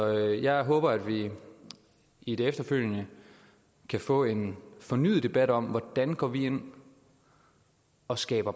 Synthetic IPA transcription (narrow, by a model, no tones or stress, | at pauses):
ɒjɑɪɦɔ̽ːb̥ɐæd̥ʋi | id̥e̝efd̥ɐføl̰jənə | kʰæfɔ̰̽ːe̝nfɒ̽ny̰ːð̩ˠd̥e̝b̥æd̥ɒ̽mʋɒd̥ænɡ̥ɒ̰ːʋie̝n̰ | ɒ̽sɡ̥ɛ̰ːb̥ɐ